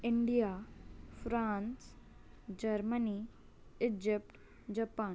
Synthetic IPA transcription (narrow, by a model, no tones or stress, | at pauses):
ɪɳɖijafɾaːns | d͡ʒɐɾməni | ɪd͡ʒɪpʈ | d͡ʑɐpaːn